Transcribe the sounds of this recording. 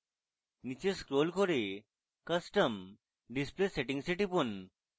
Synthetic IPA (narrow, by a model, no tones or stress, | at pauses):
nit͡ɕeskɾolkoɾe | kəsʈəm | ɖispleseʈiŋseʈipun